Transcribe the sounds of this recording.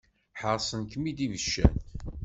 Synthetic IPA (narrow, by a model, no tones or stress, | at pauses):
ħəɾˤsˤənkəmid̪ivəʃːæ̰n